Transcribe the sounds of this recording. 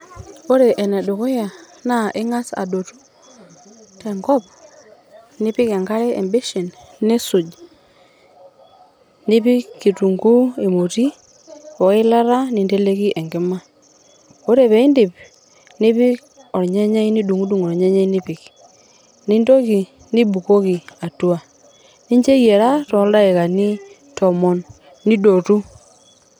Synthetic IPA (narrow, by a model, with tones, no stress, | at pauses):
o˦ɾe˨ʔɛ˨nɛ˨do˨kɔ˦ja˨ | na˦˨ʔɪ˦ŋa˦sa̰˨do˨tu̥˦ | tɛ˨ŋɡɔ˦p̚ | nɪ˦pɪ˦ke˨ŋɡa˦ɾɛ˦e˨mbe˦ʃe˨nne˦su˨d͡ʒ | ni˦pi˦ki˨tu˨ŋɡu˦e˨mo˨ti˦ | o˨ɪ˦la˦ɾa˦ni˨nde˦le˦ki˦ʔɛ˨ŋɡɪ˦ma˦ | o˦ɾe˨βɛ˨˦ɪ˦ndɪ˨p | nɪ˦βɪ˦k | ɔ˨ɾɲe˦ɲɛ˦i˦ni˦du˨ŋu˦du˨ŋɔ˨ɾɲɛ˦ɲɛ˦i˦nɪ˦pɪ˨k | nɪ˦ndo˦ki˨ | nɪ˦bu˨ko˦ki˨a˨tu˦a˨ | nɪ˦ɲd͡ʒe˦je˨ɾa˦tɔ˨˦lda˦ɪ˨ka˨nɪ˦ | tɔ˨mɔ˦nː | ɪ˦do˨tu˦